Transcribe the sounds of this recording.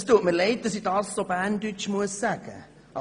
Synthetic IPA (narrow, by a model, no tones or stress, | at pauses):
stuətməlɛɪt̚d̥ɑsidɑːsːobæːndyt͡ʃmuəsːæɡ̥ə̰ | ʔɑ